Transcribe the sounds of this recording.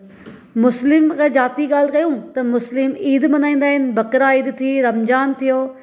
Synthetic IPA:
mʊslɪmked͡ʑaːt̪iɠaːl̤kɐjũt̪ɐmʊslɪmiːd̪mɐnaːĩːn̆d̪aːɦɪnɪ̆bɐkɾaiːd̪t̪ʰiɾɐmd͡ʑaːnt̪ʰijoː

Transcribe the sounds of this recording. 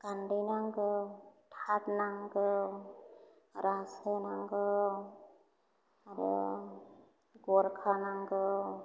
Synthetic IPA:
ɡ̥andinaŋɡɯtʰatnaŋɡɯ | ɾasɯnaŋɡɯ | aɾɯ̰ | ɡɔɾkʰanaŋɡɯ

